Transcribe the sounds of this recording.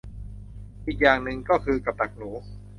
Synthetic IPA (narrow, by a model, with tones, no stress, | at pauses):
ʔiː˨˩k̚jaː˨˩ŋnɯ˨˩ŋkɔː˥˩kʰɯː˧ka˨˩p̚t̪a˨˩k̚nuː˩˦